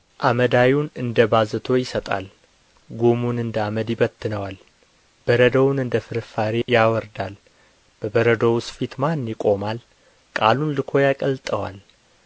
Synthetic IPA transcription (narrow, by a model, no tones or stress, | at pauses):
ʔaməd̪awunɨnd̪əbazɨt̪ʰo̞jɪsət̪ʼa̰l | ɡomunɨnd̪əaməd̪jɪbət̪ːɨnəwal | b̥əɾəd̪əwnɨnd̪əfɨɾfaɾejawɔɾd̪al | b̥əbəɾəd̪əwsfit̪manjɪkʼo̞mal | kʼalunlɨkʰo̞jakʼəlt̪ʼəwal